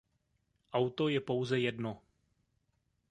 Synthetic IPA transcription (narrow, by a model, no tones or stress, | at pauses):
ʔawt̪o̞jɛpo̞wzɛjɛdno